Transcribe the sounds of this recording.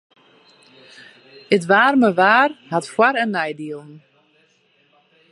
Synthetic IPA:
ətʋaːrməʋaːrhatfwaɾənːɛjdiəlˠn̩

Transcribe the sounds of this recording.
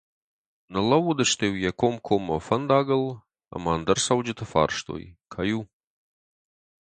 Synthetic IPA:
nəlˠɐwod̪əʃt̪ewjɛkomkʰomːɐfɐnd̪aːɡəlˠ | ɐ̰maːnd̪əɾsɐwd͡ʒɨt̪ʰəfa̰rʂt̪o̰jkʰaju

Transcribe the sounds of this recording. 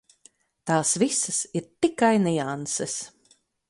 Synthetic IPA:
t̪aːsvisɐsiɾt̪ikajnʲiansɛs

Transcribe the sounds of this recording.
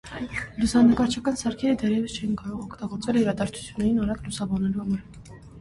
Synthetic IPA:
lusɑnəkɑɾt͡ʃʰɑkɑnsɑɾkʰɛɾəd̪ɛɾjɛvəst͡ʃʰɛjinkɑɾɔʁɔkʰt̪ɑɡɔɾt͡svɛliɾɑd̪ɑɾt͡sʰu̥t͡sʰjunːɛɾinɑɾɑɡlusɑbɑnːɛluhɑmɑɾ

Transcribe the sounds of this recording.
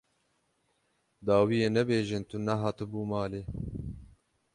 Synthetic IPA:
d̪ɑːwiːjeːnɛbeːʒɨnt̪unɛɦɑːt̪ɨbuːmɑːleː

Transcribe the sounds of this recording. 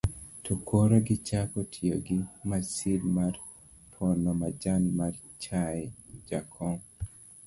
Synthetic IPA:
tʰokʰoɾaɡɪt͡ʃakotʰioɡɪmasidmar | pʰɔnɔmad͡ʒanmar | t͡ʃaɛd͡ʒakʰɔŋ

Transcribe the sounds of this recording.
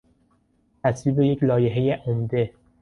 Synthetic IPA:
t̪ʰæsviːbe̞jeclɒːjeɦejeʔomd̪e̞

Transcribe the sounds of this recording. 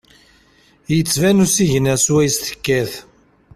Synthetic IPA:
jət͡sːvænusiʝənæswæjəst̪ə̥kːæθ

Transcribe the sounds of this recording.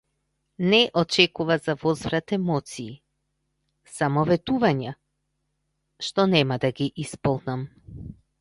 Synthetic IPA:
nɛʔɔt͡ʃɛkuvazavɔzvɾat̪ɛmɔt̪siː | samɔvɛt̪uvaɲa | ʃt̪ɔnɛmad̪aɡiʔispɔlˠnam

